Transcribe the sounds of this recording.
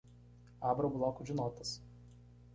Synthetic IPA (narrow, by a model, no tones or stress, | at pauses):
ɑːbɾɐblˠɔːkʊʒʲɪnoːt̪ɐs